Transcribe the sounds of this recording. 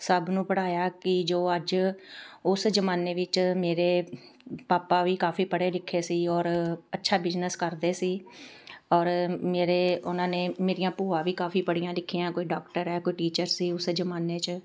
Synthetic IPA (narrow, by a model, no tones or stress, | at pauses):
səbnũːpəɽaːjaːkɪd͡ʒoːəd͡ʒ | ʊsd͡ʒəmaːneːʋɪt͡ʃmeːɾeːpaːpaːʋiːkaːfiːpəɽeːlɪkʰːeːsiːɔːɾətːʃʰaːbɪd͡ʒnəskəɾd̪eːsiː | ɔːɾmeːɾeːʊnãːneːmeːɾijãːpuːãːʋiːkaːfiːpəɽijãːlɪkʰːiãːkoːiːɖɔːkʈəɾɛːkoːiːʈiːt͡ʃəɾsiːʊsd͡ʒəmaːneːt͡ʃ